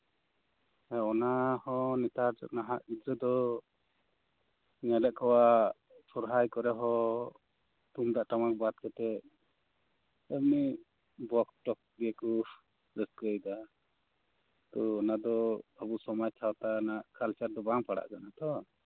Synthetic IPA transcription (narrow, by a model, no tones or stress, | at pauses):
ɛɔnahɔ̃nɛt̪aɾd͡ʒɔ̰ʔnaɦaʔid̪ɾɔd̪ɔ | nɛlɛʔkɔwa | sɔɾɦajkɔɾɛɦɔ | t̪umd̪aʔʈamak̚bat̪̚kɛt̪ɛ | əbni | bɔkʈɔk̚b̪ijɛkɔ | ɾɛskəjd̪a | t̪ɔːnad̪ɔəbusɔmajt͡ʃʰawt̪anaʔkalt͡ʃaɾd̪ɔbaŋpaɽa̰ʔkanat̪ɔ